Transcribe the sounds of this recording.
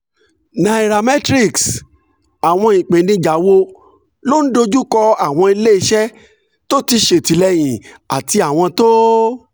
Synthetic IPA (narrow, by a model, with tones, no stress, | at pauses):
nã˨i˨ɾa˨mɛ˦tɾi˦˨ks | a˨w̃ɔ̃˧ĩ˨k͡pẽ˨nĩ˧d͡ʒa˨˦wo˧ | lo˦n̩˦do˧d͡ʒu˦kɔ˧a˦˨w̃ɔ̃˧i˧le˦i˧˦ʃɛ˦ | to˦ti˧ʃe˨ti˨lɛ˧j̃ĩ˨a˨ti˧a˨w̃ɔ̃˧to˦